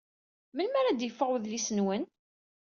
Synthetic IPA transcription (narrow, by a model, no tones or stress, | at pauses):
məlmæɾæd̪jəfːəʁwəðlisənwən